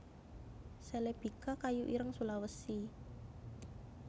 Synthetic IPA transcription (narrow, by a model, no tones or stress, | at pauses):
sɛleb̥i̤kakajuʔiɾəŋsulawəsi